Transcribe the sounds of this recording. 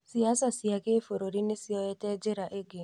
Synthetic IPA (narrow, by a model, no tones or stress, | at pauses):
siaːsasiakefoɾoɾinesiɔjeted͡ʒɪɾaʔeɡe